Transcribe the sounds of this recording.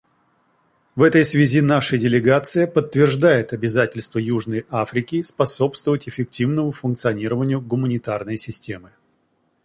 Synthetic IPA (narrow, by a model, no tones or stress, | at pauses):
vɛt̪əjsvʲɪzʲinaʂədʲɪlʲɪɡat̪sɨjəpət̪ːvʲɪrʐd̪ajɪt̪ɐbʲɪzatʲɪlʲst̪vəjuʐnəjafɾʲɪkʲɪspɐso̞pst̪vəvətʲɪfʲɪk̚tʲivnəmʊfʊnkt̪sɨɐnʲiɾəvənʲɪjʊɡʊmənʲɪt̪arnəjsʲɪsʲtʲe̞mɨ